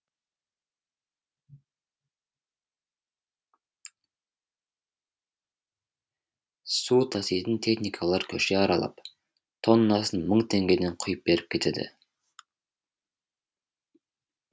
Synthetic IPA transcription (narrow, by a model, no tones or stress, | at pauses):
sut̪ʰɑsijt̪ənt̪ʰe̞xnijkʰɑlˠɑɾkʲʰɵʃe̞ɑɾɑ̰lˠɑ̰p | t̪ʰo̞nːɑsənməɴt̪ʰe̞ŋɡʲe̞d̪e̞ɴqʰʊjəp̚be̞ɾɪp̚kʲʰe̞t̪e̞d̪ɪ̰